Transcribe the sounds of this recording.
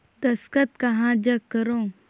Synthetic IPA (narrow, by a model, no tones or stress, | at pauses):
t̪ɐskət̪kɐɦãd͡ʒɐkːəɾõ